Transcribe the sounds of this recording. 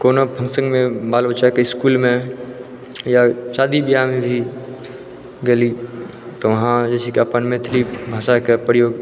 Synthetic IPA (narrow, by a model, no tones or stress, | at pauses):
koːnobʱə̃ŋɡsə̃ŋɡmẽbaːlbət͡ʃakeɪskuːlmẽ | jaʃaːd̪ibijamẽbʱi | ɡɐli | t̪oʋɐɦãd͡ʒɛsikeɐpənmẽt̪ʰɪlibʱaːʃakepɾəjoːɡ